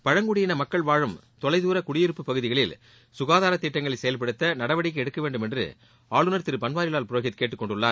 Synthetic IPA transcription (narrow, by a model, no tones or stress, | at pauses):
pɐɻɐŋɡʊɽɪjɪnɐmɐkːɐɭʋaːɻɯm | t̪ɔlɐɪðuːɾɐkʊɽɪjɪɾɯpːɯpːɐɣɯðɪɣɐɭɪl | sʊɣaːðaːɾɐt̪ːɪʈːɐŋɡɐɭɐsɛjɐlpɐɽɯt̪ːɐnɐɽɐʋɐɽɪkːɯɛɽɯkːɐʋeːɳɖɯmɛndrɯ̰ | aːɭɯnɐɾt̪ɪɾɯpɐnʋaːɾɪlaːlpɯɾoːɣɪt̪keːʈːɯkːɔɳɖɯɭːaː